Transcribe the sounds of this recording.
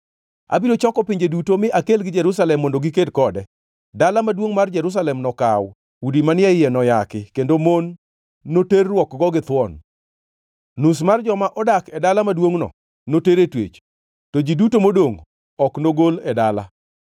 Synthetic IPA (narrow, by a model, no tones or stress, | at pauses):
a̰bilot͡ʃɔkɔpiɲd͡ʒedutomɪʔakelɡɪd͡ʒɛɾus̬alɛmːondoɡɪkedkɔdɛ | dalamadwoŋmard͡ʒɛɾus̬alɛmnɔkaw | udimanɪaɪjɛnɔjakɪkendomonː | oterːwɔkɡɔɡɪt̪wɔn | nus̬mard͡ʒɔmaʔɔdakɛdalamadwoŋnɔ̰ | noteɾetwḛt͡ʃ | tod͡ʒidutomodoŋ | ɔknoɡolɛdala̰